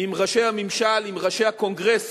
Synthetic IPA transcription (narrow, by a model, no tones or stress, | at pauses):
imʁaʃejhamimʃalimʁaʃejhako̞ŋɡʁes